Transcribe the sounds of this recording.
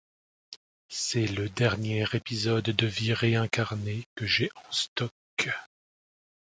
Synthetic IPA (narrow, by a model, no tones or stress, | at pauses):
sɛləd̪ɛʁnjɛʁepizɔd̪ːəviʁeɛ̃kaʁnekəʒeʔɑ̃st̪ɔk